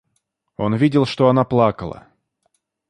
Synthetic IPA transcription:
o̞nvʲidʲɪlˠʂt̪o̞ɐnaplˠakəlˠə̰

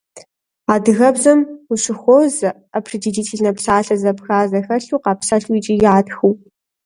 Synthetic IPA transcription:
aːdɨɣɐbzɐmʊɕɪxʷoz | apʰred͡ʒid͡ʒiːtʰeɮnɐpsaːɬɐzɐpxaːzɐxɐɬuːqɑːpsaːɬuit͡ʃʼijaːtxuw

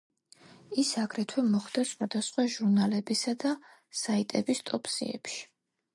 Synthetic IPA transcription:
isaɡɾɛt̪ʰwɛmɔχd̪̥asχwad̪asχwaʒuɾnalɛbisad̪a | sait̪ʼɛbist̪ʼɔpsḭɛ̰pʃi̥

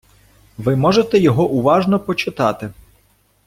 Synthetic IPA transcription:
ʋɪmɔʒet̪ɛjɔɦɔʔʊʋɑʒnɔpɔt͡ʃɪt̪ɑt̪ɪ

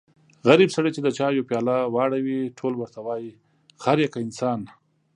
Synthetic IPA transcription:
ɣaɾibsaɽat͡ʃed̪ət͡ʃɑjopjɑlawɑɽawiʈʰolwəɾt̪awɑji | xaɾjakaɪnsɑːn

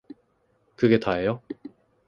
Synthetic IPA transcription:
kɯɡe̞taɦejo

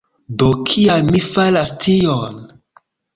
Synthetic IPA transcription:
dokʰialmifalastʰion

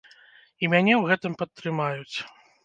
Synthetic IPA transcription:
imʲanʲɛwɣɛt̪ɨmpɐt̪ːɾɨmajut͡sʲ

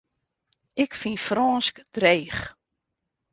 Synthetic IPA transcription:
ɪkfinfrɔːnskd̥rejːχ

